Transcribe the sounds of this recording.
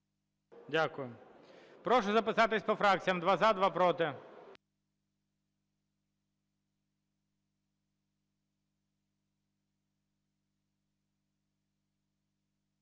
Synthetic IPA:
dʲakʊjʊ | pɾɔʃʊzɐpɪsɑt̪ɪsʲpɔfɾak̚t͡sʲijɐmd̪ʋazad̪ʋapɾɔt̪ɪ

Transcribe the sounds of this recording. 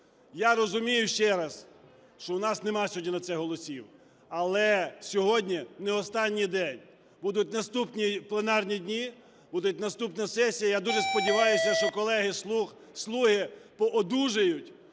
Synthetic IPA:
jaɾɔzʊmʲijʊʃt͡ʃɛɾɐs | ʃt͡ʃɔwnɑsnemɑsʲɔdʲinɐt̪sɛɦɔlˠɔsʲiw | ɐlˠɛsʲɔɦɔdʲnʲinɛɔst̪ɑnʲːijd̪ɛnʲ | bud̪ʊt̚ʲnɐst̪upnʲiplˠenɑrnʲidʲnʲi | bud̪ʊt̚ʲnɐst̪upnɐsɛsʲijɐjad̪uʒespɔdʲɪʋɑjʊsʲɐʃt͡ʃɔkɔlˠɛɦɪ | slˠuɦɪpɔʔɔd̪uʒejʊtʲ

